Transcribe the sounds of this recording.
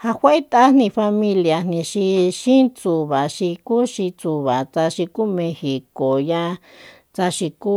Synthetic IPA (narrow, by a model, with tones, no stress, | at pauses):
ha˧hʷe˦e˦t̪a˦n̥nĩ˧fa˧mĩ˧lja˧n̥nĩ˧ʃi˧ʃĩ˦t͡su˧βa˨ʃi˧ku˦ʃi˧t͡su˧βa˨t͡sa˧ʃi˧ku˦mẽ˧hi˨ko˨jã˧ | t͡sa˧ʃi˧ku˦